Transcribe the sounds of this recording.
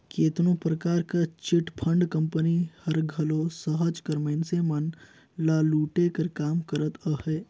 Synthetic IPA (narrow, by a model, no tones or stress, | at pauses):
keːt̪nõpɾəkaːɾkat͡ʃɪʈpʰə̃ɳɖkɐ̃mpənihɐɾɡʱɐlosəɦəd͡ʒkɐɾmɐɪnsemɐn | laːluːʈekɐɾkaːmkəɾət̪əhɛː